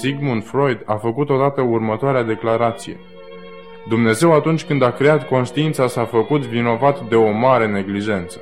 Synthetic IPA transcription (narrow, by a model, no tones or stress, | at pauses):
siɡmunfɾo̞jd̪afəkut̪o̞d̪at̪əurmət̪oaɾead̪e̞klaɾat̪sije̞̰ | d̪umne̞ze̞wat̪unt͡ʃʲkɨnd̪akɾe̞at̪ko̞nʃt̪iint̪sasafəkut̪vino̞vat̪d̪e̞o̞maɾe̞ne̞ɡliʒe̞nt̪sə̥